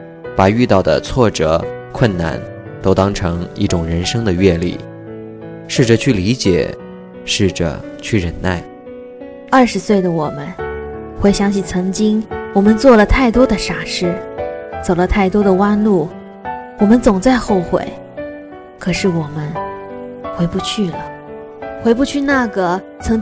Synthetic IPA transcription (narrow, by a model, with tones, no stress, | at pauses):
pa˨˩y˥˧t̪ɑ˥˩ʊd̪ə̰˩t͡sʰwɔ˥˩ʈ͡ʂɤ̰˨˩˦kʰwə˥˧nna̰˥˩n | t̪o˥ʊt̪ɑ˥ŋʈ͡ʂʰɤ˧˥ŋḭ˥˩ʈ͡ʂʊ˨˩ŋɻə˧˥nʂɤ˥ŋd̪ə˨ɥɛ˥˧lḭ˥˩ | ʂɻ̩˥˩ʈ͡ʂə˨˩t͡ɕʰy˥˩li˧˥t͡ɕjɛ̰˨˩˦ | ʂɻ̩˥˩ʈ͡ʂə̰˩ | t͡ɕʰy˥˩ɻə˧˥nna˥˩ɪ | ɐ˞˥˩ʂɻ̩˧˥swe˥˩ɪd̪ə˩wɔ˨˩mə˦nxwe˥˩ɪɕjɑ˥ŋɕi˥˩t͡sʰɤ˧˥ŋt͡ɕi˥ŋwɔ˨˩mə˧˦nt͡swɔ˥˩lə˩t̪ʰa˥˩ɪt̪wɔ˥d̪ə˨ʂa˧˥ʂɻ̩˥˩t͡so˨˩ʊlə˦t̪ʰa˥˩ɪt̪wɔ˥d̪ə˨wa˥nlu˥˩ | wɔ˨˩mə˦nt͡sʊ˨˩ŋt͡sa˥˧ɪxo˥˩ʊxwḛ˨˧˩ɪ | kʰɤ˨˩ʂɻ̩˥˩wɔ˨˩mə˦n | xwe˧˥ɪpu˧t͡ɕʰy˥˩lə˩ | xwe˧˥ɪpu˥˧t͡ɕʰy˥˧na˥˩ɡə˩ | t͡sʰɤ˧˥ŋ